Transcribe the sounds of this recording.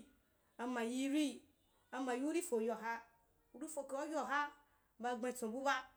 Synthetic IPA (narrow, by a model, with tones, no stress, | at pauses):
a˨mã˨ji˧ɾi˦ | a˧ma˨ji˦u˦ɾi˦fo˨jo˨ɦa˦ | u˦ɾi˦fo˨ke˦wa˦jʲo˨ɦa˦ | ba˧˨ɡ͡be˧˨t͡sõ˨bu˦ba˦